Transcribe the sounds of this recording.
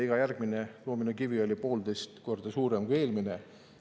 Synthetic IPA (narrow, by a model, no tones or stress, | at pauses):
iɡ̥ɑjærɡ̥mineroːminukivio̞lʲipo̞ːld̪ejst̪ko̞rd̪̥ɑsuːɾemkuije̞ːlmine